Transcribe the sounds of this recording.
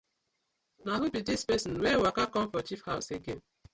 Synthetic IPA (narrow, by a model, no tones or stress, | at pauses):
naɦʊpitispesn̩wewakakɔm̩fɔt͡ʃifhaʊseɡem̩